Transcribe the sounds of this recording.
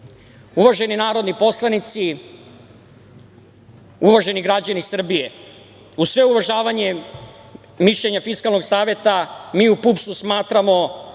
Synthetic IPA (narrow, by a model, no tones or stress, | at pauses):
uʋaʒe̞ninaːɾod̪nipo̞slˠanit̪si | uʋaʒe̞niɡɾad͡ʑanisr̩bije̞ | usʋe̞uʋaʒaːʋaɲe | miʃʎeɲafiskalno̞ɡsaːʋje̞t̪amiːupupsusmaːt̪ɾamo̞